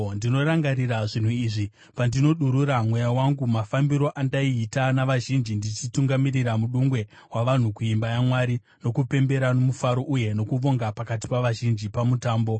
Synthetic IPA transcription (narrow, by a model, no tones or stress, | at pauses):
ndino̞ɾaŋɡariɾaʐin̤uiːʐi | pandino̞ɗuɾuɾamwe̞jawaŋɡumafambiɾo̞ʔandaiːtanaʋaʒind͡ʒindit͡ʃituŋɡamiriramuɗuŋɡwe̞ | waʋan̤ukuimbajamwaɾi | no̞kupe̞mbe̞ɾano̞mufaɾo̞ʔuje̞no̞kuʋo̞ŋɡapakat̬i̥paʋaʒind͡ʒipamutaːmbo̞